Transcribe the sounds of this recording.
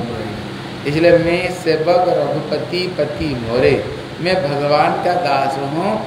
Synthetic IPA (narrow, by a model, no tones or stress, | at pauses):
ɪsliemẽseːbəkɔɾɐbʱupət̪ipət̪imoːɾe | mẽbʱɐɡʋaːnkad̪aːsɦũː